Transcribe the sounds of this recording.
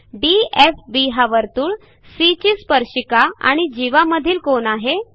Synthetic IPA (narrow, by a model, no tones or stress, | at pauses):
ɖiefbiɦaʋəɾt̪uːɭ | sit͡ɕiːspəɾɕikaa̰ɽ̃id͡ʑiʋaməd̪ʱiːlkonaɦe